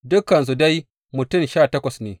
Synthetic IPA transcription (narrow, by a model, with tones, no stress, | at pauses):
dʊ˦kːɐ˨ns̬u˨da˦j | mʊ˨tʊ˦˨mʃaː˦˨tɐ˦kʷɐ˨sneː˨